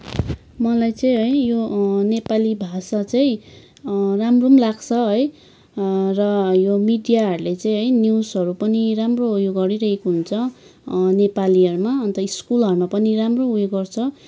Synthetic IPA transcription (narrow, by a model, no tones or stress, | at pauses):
mʌlajt͡sʌĩɦʌjjonepalibʱasat͡sʌĩ | ramromlaɡt͡sʰʌɦʌj | rʌjomiɖijaɦʌɾulet͡sʌ̃j̃ɦʌjnjiwsɦʌɾupʌniramroujoɡʌɾiɾʌɦekoɦunt͡sʰʌ | nepaliɦʌɾumaʌnt̪ʌiskulʌɾumapʌniramroujoɡʌrt͡sʰʌ